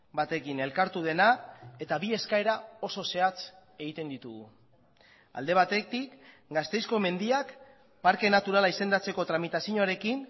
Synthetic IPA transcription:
bat̪e̞kine̞lkaɾt̪uð̞e̞nae̞t̪aβie̞skae̞ɾao̞so̞se̞at͡s | e̞ɣit̪e̞nd̪it̪uɣṵ | a̰ld̪e̞β̞at̪e̞t̪ik | ɡast̪e̞jsko̞me̞nd̪iak | paɾke̞nat̪uɾalaise̞nd̪at͡se̞ko̞t̪ɾamit̪asiɲoɾe̞kin

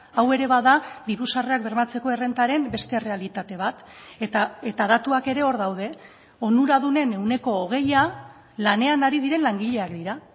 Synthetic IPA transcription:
awe̞ɾe̞βaðaðiɾusare̞ak̚be̞ɾmat͡se̞ko̞e̞re̞nt̪aɾe̞mbe̞st̪e̞re̞alit̪at̪e̞β̞at̪t̪aet̪aðat̪uake̞ɾe̞o̞ɾðawð̞e̞ | o̞nuɾað̞une̞ne̞wne̞ko̞ːɣ̞e̞ja | lane̞anaɾið̞iɾe̞nlaŋɡiʎe̞akd̪iɾa

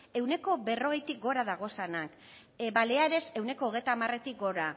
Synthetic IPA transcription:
e̞wne̞ko̞βe̞ro̞ɣe̞jt̪ik̚ɡo̞ɾaðaɣ̞o̞sanak | baleaɾe̞se̞wne̞ko̞ːɣejt̪aːmare̞t̪ik̚ɡo̞ɾa

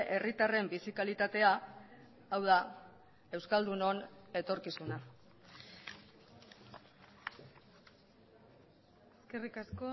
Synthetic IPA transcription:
ʔe̞rit̪are̞mbisikalit̪at̪e̞aː | wð̞a | e̞wskald̪uno̞ne̞t̪o̞ɾkisuna | eskerikasko

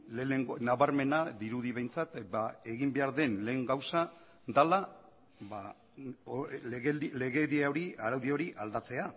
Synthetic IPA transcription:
leeŋɡonaβaɾme̞naðiɾuðiβe̞jnt͡sat̪bae̞ɣimbe̞aɾðe̞nle̞ːŋɡawsa | d̪ala | ba | le̞ɣe̞ðiaoɾiaɾawðio̞ɾiʔald̪at͡se̞a

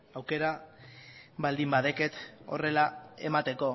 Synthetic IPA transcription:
awke̞ɾa | βald̪imbaðe̞ke̞t̪o̞re̞lae̞mat̪e̞ko̞

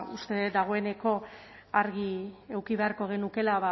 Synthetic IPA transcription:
ust̪ed̪aɣ̞o̞e̞ne̞ko̞ | aɾɣie̞wkiβe̞aɾko̞ɣ̞e̞nuke̞laβa

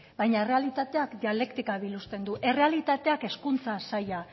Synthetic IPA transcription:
bajɲaere̞alit̪at̪e̞akd̪iale̞kt̪ikaβilust̪e̞nd̪uʔe̞re̞alit̪at̪e̞ake̞skunt͡sasaja

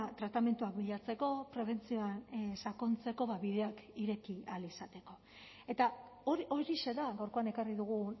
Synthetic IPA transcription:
t̪ɾat̪ame̞nt̪uak̚biʎat͡se̞ko̞pɾe̞β̞e̞nt͡sio̞ansako̞nt͡se̞ko̞βaβiðe̞akiɾe̞kialisat̪e̞ko̞ | e̞t̪aoɾʔo̞ɾise̞ðaɣawɾkoane̞kariðuɣ̞u

